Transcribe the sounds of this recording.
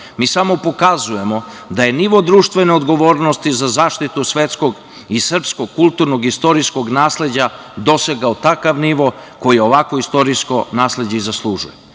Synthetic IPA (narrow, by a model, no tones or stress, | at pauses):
miːsamo̞po̞kazuje̞mo̞d̪aje̞niʋod̪ɾuːʃt̪ʋe̞neod̪ɡo̞ʋoːɾnost̪izazaːʃt̪it̪usʋet̪sko̞ɡ | isr̩pskoɡ̚kulˠt̪uɾnoɡist̪o̞ɾisko̞ɡnaːsle̞d͡ʑa | d̪o̞seɡaot̪akaʋniʋo̞ko̞jio̞ʋakoist̪o̞ɾisko̞naːsle̞d͡ʑeizaslˠuʒṵje